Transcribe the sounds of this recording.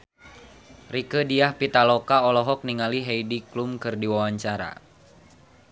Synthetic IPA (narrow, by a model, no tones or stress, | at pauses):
rikədiahpit̪alɔkaɔlɔɦɔk̚niŋaliɦejdiklumkɨrdiwawaɲt͡ʃaɾa̰